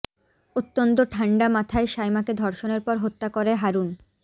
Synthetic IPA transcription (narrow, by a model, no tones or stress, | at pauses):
ot̪ːont̪oʈʰaɳɖamat̪ʰaeʃajmaked̪ʱɔɾʃoneɾpɔɾɦot̪ːakoɾeɦaɾun